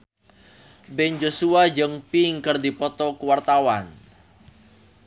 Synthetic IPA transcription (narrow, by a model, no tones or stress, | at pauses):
bɛnd͡ʒosuad͡ʒəŋpiŋkərd̪ipɔt̪ɔkuwart̪awan